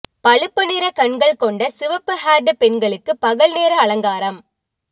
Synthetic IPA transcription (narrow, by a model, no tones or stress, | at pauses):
pɐɭɯpːɐnɪɾɐkɐɳɡɐɭkɔɳɖɐsɪʋɐpːɯhaːɾɖɯpɛnɡɐɭɯkːɯpɐɣɐɭneːɾɐɐɭɐŋɡaːɾɐm